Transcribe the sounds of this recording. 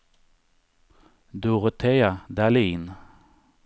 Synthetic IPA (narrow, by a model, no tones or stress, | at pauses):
d̪uʁət̪ʰeːad̪aliːn